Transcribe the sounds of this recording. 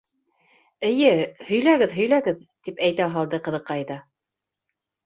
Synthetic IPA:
ɘ̆jɘhɵ̆jlæɡɘðɦɵ̆jlæɡɘðt̪ipæjt̪æɦɑlˠd̪ɤqɤ̆ðɤ̆qːɑjðɑ

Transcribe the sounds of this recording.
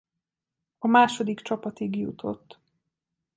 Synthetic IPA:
ɒmaːʃo̞d̪ikt͡ʃɒpɒt̪iɡjṵt̪ʰo̞̰t̪ː

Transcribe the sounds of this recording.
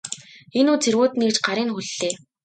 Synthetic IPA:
enuːt͡sʰerwoːt̪nekt͡ɕɢaɾiːŋxuɮːeː

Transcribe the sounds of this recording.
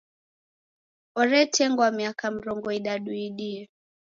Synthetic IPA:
ɔɾɛtɛŋɡwamiakam̩ɾɔŋɡɔiɗaɗuiɗiɛ

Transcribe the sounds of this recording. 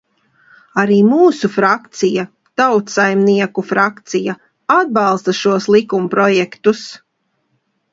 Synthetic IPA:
aɾiːmuːsufɾakt̪sija | t̪awt̪sajmniɛkufɾakt̪sija | ad̪̚bɑlˠst̪aʃuɔslˠikumpɾɔjɛkt̪us

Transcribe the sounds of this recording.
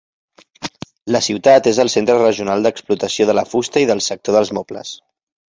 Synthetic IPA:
ləsiwt̪at̪ezəlˠsent̪ɾərəʒiunalˠd̪əksplut̪əsioðələfust̪əiðəlˠsək̚t̪oðəlˠzmɔplə̰s

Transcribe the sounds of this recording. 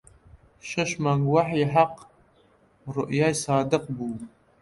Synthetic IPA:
ʃɐʃmaːŋwaħjɪħaq | rʊ̰ʔjajsaːdɨqbu

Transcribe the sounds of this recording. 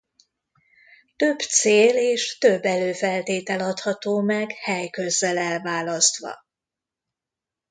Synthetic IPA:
t̪ø̞b̥t̪seːleːʃt̪øbːɛløːfɛlt̪eːt̪ɛlɒt̪hɒt̪oːmɛɡhɛjkø̞zːɛlɛlvaːlɒst̪ʋɒ̰

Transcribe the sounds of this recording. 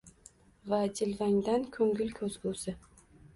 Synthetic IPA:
vad͡ʒɪlvaŋd̪ankʰɵŋɡʲɪlkʰɵzɡusɪ

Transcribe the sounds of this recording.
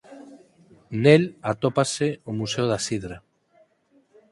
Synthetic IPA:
nelat̪opaseomusewðasiðɾa

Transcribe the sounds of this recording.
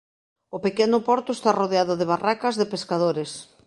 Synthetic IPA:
ʊpekenʊpɔɾt̪ʊest̪aroðeaðʊðeβ̞arakazðepeskað̞oɾes

